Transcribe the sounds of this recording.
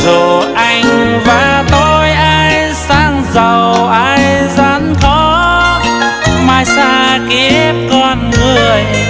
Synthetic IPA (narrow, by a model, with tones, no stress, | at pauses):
zo˨˩ʔa˧˩jŋ̟vaː˨˩t̪o˧jʔaː˧jj | saː˧ŋzə˨˩wʔaː˧jzaː˨˦˥nxɔ˧˦ | maː˧˩jsaː˧ki˨˧˦ɛ˦p̚kɔ˧˩nŋɨ˨˩əj